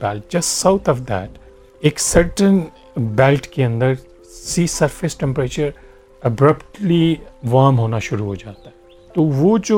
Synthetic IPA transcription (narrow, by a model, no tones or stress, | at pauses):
bɛːlʈ̚d͡ʒɐsʈsaʊt̪ʰɔʋd̪ɛ̰ːʈ | eːksəɾʈə̃n | bɛːlʈkeɐ̃nd̪əɾ | siːsəɾfɪsʈɛ̃mpɾeːt͡ʃəɾ | ɐbɾəpʈliʋaːmɦoːnaʃʊɾuɦoːd͡ʒaːt̪aɦɛ | t̪oːʋoːd͡ʒo